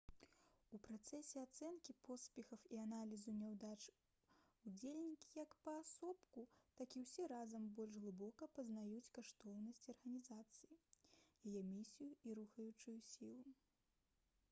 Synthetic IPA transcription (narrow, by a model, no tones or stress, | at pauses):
upɾat̪sɛsʲɛat̪sɛnkʲipɔspʲɛxɐwianalʲizunʲɛwd̪at͡ʂ | ud͡zʲelʲnʲikʲi̥jɐkpɐːsɔpkut̪akʲiwsʲɛɾazɐmbɔlʲʐɣlˠɨbɔkɐpɐznajut͡sʲkaʂt̪ɔwnɐsʲt͡sʲɐrɣɐnʲizat̪sɨjijajɛmʲisʲijuiɾuxɐjut͡ʂujusʲilˠu